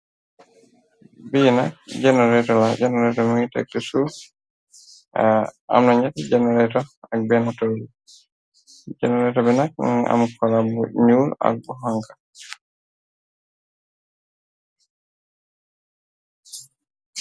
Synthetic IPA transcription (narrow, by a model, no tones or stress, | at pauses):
binak̚d͡ʒɛnɔɾɛtɔlad͡ʒɛnɛɾɛtɔmuŋitɛ̰k̚tusu | a̰mnaɲɛtad͡ʒɛnɛɾɛtɔak̚bɛnatod͡ʒi | d͡ʒɛnɛɾɛtɔbɛnak̚a̰mukɔlabuɲuːɾa̰k̚bɔɦaŋkḁ